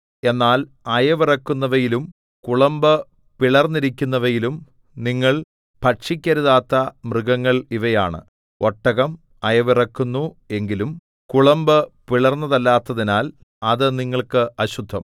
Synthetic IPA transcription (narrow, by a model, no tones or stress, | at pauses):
e̞nːaːl | ɐjɐʋirɐkːunːɐʋɐjilum | kuɭɐmbɨ | piɭɐrnːiɾikʲːunːɐʋɐjilum | niŋːɐɭ | pɐʈʂikʲːɐɾuðaːt̪ːɐmrɨɣɐŋːɐɭiʋɐjaːɳɨ̰ | o̞ʈːɐɣɐm | ɐjɐʋirɐkːunːu | e̞ŋɡilum | kuɭɐmbɨpiɭɐrnːɐðɐlːaːt̪ːɐðinaːl | ɐðɨniŋːɐɭkɨɐɕud̪ʱːɐm